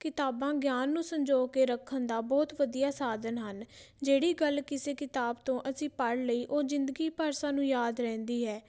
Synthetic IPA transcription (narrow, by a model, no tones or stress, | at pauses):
kɪt̪aːbãːɡjaːnːũːsəɲd͡ʒoːkeːɾəkʰːənd̪aːbɔːt̪ʋəd̪ijaːsaːd̪ənɦən | d͡ʒeːɽiːɡəlkɪseːkɪt̪aːbt̪õːʔəsĩːpəɽləiːʔoːzɪ̃nd̪əɡiːpəɾsãːnũːjaːd̪ɾɛ̃ːnd̪iːɦɛː